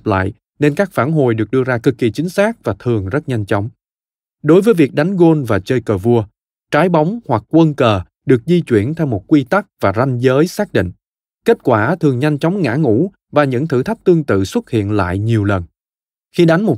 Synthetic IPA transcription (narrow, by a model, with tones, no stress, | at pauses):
p̚la̰ː˧˨j | ne˧nkaː˦˥k̚faː˧˩nɦo̰˨˩jɗɨ˨˩ək̚ɗɨ˧əzaː˧kɨ˨˩kːi˨˩t͡ɕï˨˦ŋ̟saː˦˥k̚vaː˨˩t̪ʰɨ˨˩əŋzə˦˥t̚ɲa˧jŋ̟t͡ɕɔ˨˦wŋ͡m | ɗo˨˦jvəː˨˦jvi˨˩k̚ɗa˨˦jŋ̟ɣo˧nvaː˨˩t͡ɕəː˧jkəː˨˩vu˧ə | t͡ɕaː˨˦jɓa˨˦wŋ͡mhwa˨˩k̚ːwə˧nkəː˨˩ | ɗɨ˨˩ək̚zi˧t͡ɕwi˧˩ənt̪ʰɛ˧wmo˨˩t̚kwi˧t̪a˦˥k̚vaː˨˩za˧jnzəː˨˦jsaː˦˥k̚ɗḭ̈˧˨ŋ̟ | ke˦˥t̚kwaː˧˩t̪ʰɨ˨˩əŋɲa˧jŋ̟t͡ɕɔ˨˦wŋ͡mŋa̰ː˧˥ŋṵ˧˥ | vaː˨˩ɲɨ̰˧˥ŋt̪ʰɨ̰˧˩t̪ʰə˦˥p̚t̪ɨ˧əŋt̪ɨ̰˧˨swə˦˥t̚hḭ˧˨ənla̰ː˧˨jɲi˨˩əwlə˨˩n | xi˧ɗa˨˦ŋmo˨˩